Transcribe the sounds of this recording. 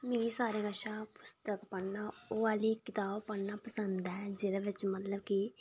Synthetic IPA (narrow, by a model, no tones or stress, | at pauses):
meːɾisaːɾeɡəʃaːpʊst̪əkpəɳnaːoːʋaːlikɪt̪aːbpəɳnapəsə̃nd̪ɦɛːd͡ʒeːd̪aʋɪt͡ʃmət̪ləbki